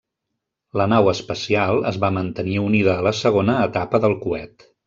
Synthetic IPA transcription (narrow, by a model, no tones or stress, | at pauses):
lənawəspəsialˠə̰zβamənt̪əniuniðəːləsəɣ̞onəːt̪apəðəlˠkuɛt̪